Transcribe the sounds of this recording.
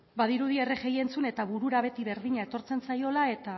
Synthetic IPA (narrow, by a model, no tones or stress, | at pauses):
bað̞iɾuð̞ie̞reɣe̞je̞nt͡sune̞t̪aβuɾuɾaβ̞e̞t̪iβe̞ɾðiɲae̞t̪o̞ɾt͡se̞nt͡sajo̞lae̞t̪a